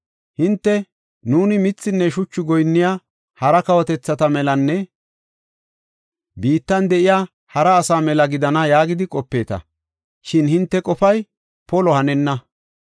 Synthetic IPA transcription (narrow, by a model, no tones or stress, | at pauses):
hɪnt̪ːɛ | nuːnɪmɪt͡sːɪnːɛʃʊt͡ʃːʊɡɔjnːɪja | hɐɾɐkɐwɔt̪ɛt͡sːɐt̪ɐmɛlɐnːɛ | biːt̪ːɐnd̪ɛʔɪjaː | hɐɾɐːsaːmɛlɐɡɪd̪ɐnɐjaːɡɪd̪ɪkʼɔpːe̞ːt̪ɐ̰ | ʃɪnhɪnt̪ːɛkʼɔfɐj | pɔlɔhɐnɛnːɐ